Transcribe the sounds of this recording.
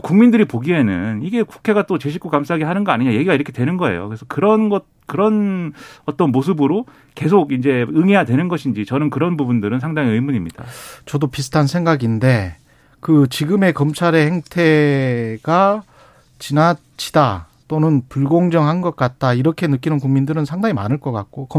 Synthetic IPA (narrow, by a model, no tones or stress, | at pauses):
kuŋmindɯɾipoɡiɦe̞nɯ̰niɡe̞ku̥kʰe̞ɡat͈ot͡ɕe̞ɕ̬ʰik͈okams͈ʰaɦaɡiɦanɯnɡʌaɲiɲaje̞ɡiɡaiɾʌkʰe̞twe̞nɯnɡʌe̞̰jo̰kɯɾesʰʌkɯɾʌnɡʌt̚kɯɾʌnʌt͈ʌnmos̬ʰɯbɯɾo | ke̞s̬ʰoɡind͡ʑe̞ɯŋe̞jadwe̞nɯnɡʌɕʰind͡ʑit͡ɕʌnɯnkɯɾʌnbubundɯɾɯns̬ʰaŋdaŋiɯmuɲimɲid̥a̰t͡ɕʌdopisʰɯ̥tʰansʰe̞ŋɡaɡinde̞ | kɯt͡ɕiɡɯme̞kʌmt͡ɕʰaɾe̞he̞ŋtʰe̞ɡ̥a | t͡ɕina | t͡ɕʰida | t͈onɯnpuɭɡoŋd͡ʑʌŋɦanɡʌt̚k͈at̚t͈aiɾʌkʰe̞nɯk͈inɯnkuŋmindɯɾɯnsʰaŋdaŋima̰nɯɭk͈ʌk͈ak̚k͈okʌ